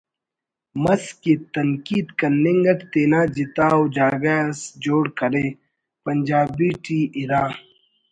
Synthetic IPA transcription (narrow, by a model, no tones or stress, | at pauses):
mɐskit̪ɐŋkiːd̪kɐniŋɡɐʈt̪eːnaːd͡ʑit̪aːwd͡ʒaːɡasd͡ʑoːɽkɐɾeː | pɐnd͡ʒaːbiːʈʰiːʔiɾaː